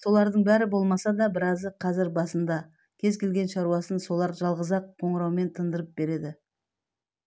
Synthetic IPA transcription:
so̞lˠɑɾd̪əɴbæɾɪbo̞lˠmɑsɑd̪ɑbɪɾɑzəqʰɑzɪɾbɑsənd̪ɑ | kʲʰe̞zkʲe̞lɡʲe̞nʃɑɾuɑsənso̞lˠɑɾʒɑlˠʁəzɑqʰːo̞ɴəɾɑwme̞nt̪ʰənd̪əɾəp̚be̞ɾe̞d̪ɪ

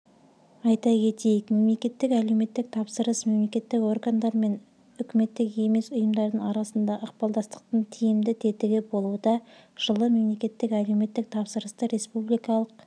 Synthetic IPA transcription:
ɑjt̪ɑkʲʰe̞t̪e̞jɪkme̞mle̞kʲe̞t̪ːɪkæle̞wme̞t̪ːɪk̚t̪ʰɑpsəɾəsme̞mlekʲe̞t̪ːɪko̞rɡand̪ɑɾme̞n | ʏkʲɪme̞t̪ːɪke̞me̞sʊjəmd̪ɑɾd̪əɴɑɾɑsənd̪ɑʔəqpɑlˠd̪ɑst̪ə̥q̚t̪əɴt̪ʰijɪmd̪ɪt̪ʰe̞t̪ɪɡʲɪbo̞lˠud̪ɑʒ̥əlˠəme̞mle̞kʲe̞t̪ːɪkæle̞wme̞t̪ːɪk̚t̪ʰɑpsəɾəst̪əɾe̞spublijkɑlˠəq

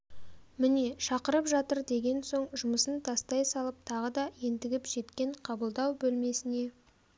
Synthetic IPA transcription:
mɪne̞ʃɑqəɾəpʒɑt̪əɾd̪e̞ɡʲe̞nso̞ɴʒʊməsənt̪ʰɑst̪ɑjsɑlˠəp̚t̪ʰɑʁəd̪ɑje̞nt̪ɪɡʲɪpʒ̥e̞t̪kʲe̞ɴqʰɑbəlˠd̪ɑwbɵlme̞sɪne̞

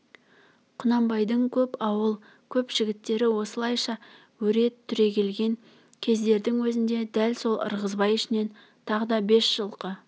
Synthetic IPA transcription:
qʰʊnɑmbɑjd̪əɴkʲʰɵpɑwəlˠ | kʲʰɵpʒ̥ɪɡʲɪt̪ːe̞ɾɪwo̞səlˠɑjʃɑ | wɵɾe̞t̪ʰːʏɾe̞kʲʰe̞lɡʲe̞ŋ | kʲʰe̞zd̪e̞ɾd̪ɪŋwɵzɪnd̪e̞d̪ælso̞lˠə̰ɾʁəzbɑjɪʃɪne̞n | t̪ʰɑʁəd̪ɑbe̞sʒ̥əlˠqə

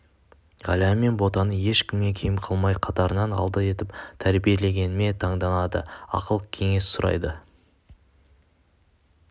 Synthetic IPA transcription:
ʁɑ̰læme̞nbo̞t̪ɑnəje̞ʃkʲɪmɡekʲʰe̞jɪmqʰəlˠmɑjqʰɑt̪ɑɾənɑnɑ̰lˠd̪əe̞t̪ɪpt̪ʰæɾbije̞le̞ɡʲe̞nɪme̞t̪ʰɑɴd̪ɑnɑd̪ə̰ɑ̰qəlˠəqkʲʰe̞ŋe̞ssʊɾʔɑ̰jd̪ə

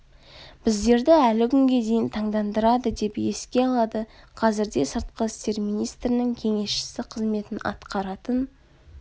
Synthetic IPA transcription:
b̥ɪzd̪e̞ɾd̪ɪælɪkʲʰʏŋɡʲe̞d̪e̞jɪnt̪ʰɑɴd̪ɑnd̪əɾɑd̪əd̪e̞pe̞skʲe̞ɑlˠɑd̪əqʰɑzɪɾd̪e̞səɾt̪̚qəɪst̪e̞ɾmijnijst̪ɾɪnɪŋkʲʰe̞ŋe̞sʃɪ̥sɪqʰəzme̞t̪ɪnɑ̰t̪qɑɾɑt̪ən

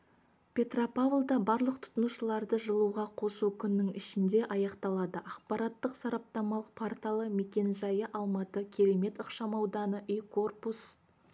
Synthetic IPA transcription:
pʲʰe̞t̪ropavlˠd̪ɑbɑɾlˠəq̚t̪ʰʊ̥t̪ənuʃəlˠɑɾd̪əʒəlˠuʁɑqʰo̞sukʲʰʏnːɪŋɪʃɪnd̪e̞ʔɑjɑqt̪ɑlˠɑd̪əʔɑqpɑɾɑt̪ːəqsɑɾɑp̚t̪ɑmɑlˠəq̚pʰort̪alˠəme̞kʲe̞nʒɑjəʔɑlˠmɑt̪əkʲʰe̞ɾe̞me̞t̪əqʃɑmɑwd̪ɑnəʔijkʰo̞rpus

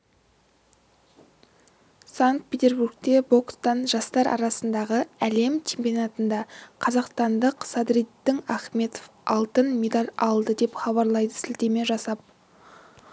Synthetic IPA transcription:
saŋk̪̚pʰʲet̪ʲe̞ɾbuɾɡ̚t̪e̞bo̞kst̪ɑnʒɑst̪ɑɾʔɑ̰ɾɑsənd̪ɑʁəæle̞mt͡ʃʲʰe̞mpijonɑt̪ənd̪ɑqʰɑzɑqst̪ɑnd̪əqsɑd̪ɾit̪ːɪŋæχme̞t̪o̥fɑlˠt̪ənme̞d̪alʲɑlˠd̪əd̪e̞pχɑβɑɾlˠɑjd̪əsɪlt̪e̞me̞ʒɑsɑp̚

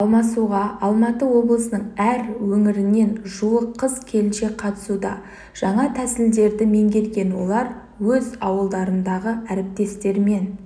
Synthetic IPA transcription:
ɑlˠmɑsuʁɑɑlˠmɑt̪əwo̞blˠəsənəɴæɾwɵŋɪɾɪne̞nʒuəqʰːəzkʲʰe̞lɪnʃe̞qʰɑt̪ə̥sud̪ɑ | ʒ̥ɑɴɑt̪ʰæsɪld̪e̞ɾd̪ɪme̞ŋɡʲe̞lɡʲe̞nwo̞lˠɑɾ | wɵzɑwəlˠd̪ɑɾənd̪ɑʁəæɾɪp̚t̪e̞st̪e̞ɾme̞n

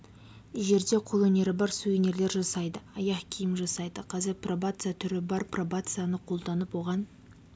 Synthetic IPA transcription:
ʒe̞ɾd̪e̞qʰo̞lˠɵne̞ɾɪbɑɾsujɵne̞ɾle̞ɾʒɑsɑjd̪əɑjɑqkʲʰijɪmʒɑsɑjd̪əqʰɑzeɾprobat̪sɨjat̪ʰʏɾɪbɑɾprobat̪sɨjanəqʰo̞lˠd̪ɑnəpwo̞ʁɑn

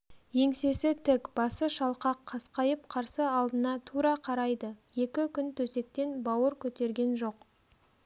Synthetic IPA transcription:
je̞ŋse̞sɪt̪ʰɪkb̥ɑsəʃɑlˠqɑqʰːɑsqɑjəp̚qʰɑɾsəɑlˠd̪ənɑt̪ʰuɾɑqʰɑɾɑjd̪əje̞kʲɪkʲʰʏnt̪ʰɵse̞k̚t̪e̞nbɑwəɾkʲʰɵt̪e̞ɾɡʲe̞nʒo̞q

